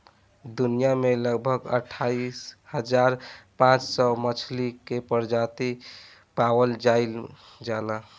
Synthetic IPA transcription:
d̪unijameləɡbʱəɡə̰ʈʰaishəd͡ʒaɾpãt͡ʃsɔmət͡ʃʰlikepəɾd͡ʒat̪i | pawəld͡ʒaɪl | d͡ʒala

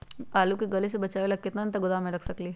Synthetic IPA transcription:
aːlukiɡɐles̬ebɐt͡ʃaːʋelɐɡ̚kɪt̪nant̪aɡʊd̪amẽɾɐkʰsɐkli

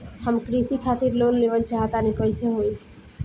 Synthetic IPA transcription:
həmkɾisikʰat̪iɾlonleʋəlt͡ʃaɦət̪anipəɪseɦoj

